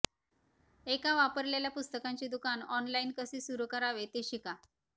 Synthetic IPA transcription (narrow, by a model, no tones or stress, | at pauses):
ekaʋapəɾleljapust̪əkaɲt͡ɕid̪ukanɔnlainkəsiːsuɾukəɾaʋet̪eɕika